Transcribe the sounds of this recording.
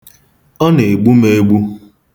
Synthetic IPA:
ɔ˦ne˨ɡ͡bu˦me˦ɡ͡bu˦

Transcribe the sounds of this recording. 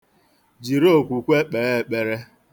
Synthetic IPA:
d͡ʒi˨ɾo˦˨kʷu˨kʷe˦k͡pe˨e˦˨k͡pe˨ɾe˦

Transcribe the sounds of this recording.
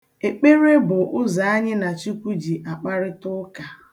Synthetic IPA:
e˨k͡pe˦ɾe˦bʊ˨ʔʊ˦za˨a˦ɲɪ˦na˨t͡ʃi˦kʷu˦d͡ʒi˨ʔa˨k͡pa˦ɾɪ˦tʊ˦ka˨

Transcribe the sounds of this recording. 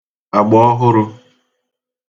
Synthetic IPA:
a˨ɡ͡bɔ˦ɔ˦ɦʊ˦ɾʊ˦

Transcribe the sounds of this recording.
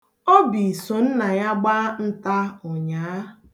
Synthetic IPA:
o˦bi˨so˨n̩˦na˨ja˦ɡ͡ba˦n̩˦ta˦ɔ˨ɲaː˨˦

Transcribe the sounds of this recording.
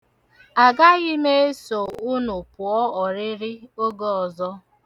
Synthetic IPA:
a˨ɡa˦ɣɪ˦me˦e˦so˨ʊ˦nʊ˨pʊ˨ɔ˦ɔ˨ɾɪ˦ɾɪ˦o˦ɡo˦ɔ˨zɔ˦

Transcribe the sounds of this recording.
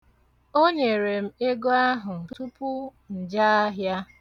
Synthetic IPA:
o˦ɲe˨ɾe˨m̩˦e˦ɡo˦a˦ɦʊ˨n̩˨˦tu˦pʊ˦ | n̩˨d͡ʒa˦a˦ɦja˦

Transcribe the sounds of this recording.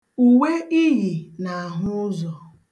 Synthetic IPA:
u˨we˦i˦ɦi˨na˨a˨ɦʊ˦ʊ˦zɔ˨

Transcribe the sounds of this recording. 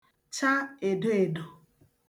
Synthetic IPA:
t͡ʃa˦e˨do˦e˨do˨

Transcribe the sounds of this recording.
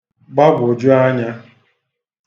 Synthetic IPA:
ɡ͡ba˦ɡʷʊ˨d͡ʒʊ˦a˦ɲa˦

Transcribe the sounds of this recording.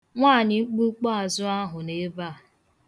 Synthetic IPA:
ŋʷaː˦˨ɲɪ˨ŋ͡m̩˦k͡pu˦k͡pa˦a˨zʊ˦a˦ɦʊ˨ne˦ba˦˨

